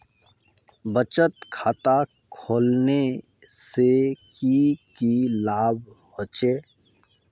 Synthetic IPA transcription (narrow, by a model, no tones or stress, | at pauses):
bət͡ʃət̪kʰaːt̪a | kʰoːlne | sekikilaːbhot͡ʃeː